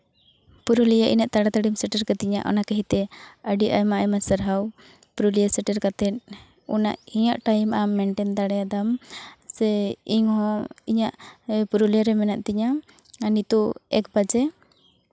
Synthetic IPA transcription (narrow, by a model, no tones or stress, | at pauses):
puɾulijaʔḭnɛʔ̚t̪aɽat̪aɽimsɛʈəɾkat̪iɲa̰ʔɔ̰nakɛɦit̪ɛəɖiʔajmaʔajmasəɾɦaw | puɾulijasɛʈəɾkat̪ɛt̪̚ | ɔna̰ʔhiɲaʔʈajmʔamɛɳʈɛnt̪aɽɛjad̪amsɛiŋhɔ̃iɲaʔpuɾulijaɾɛmɛnaʔt̪iɲa | nit̪uɛ̰k̚bad͡ʒɛ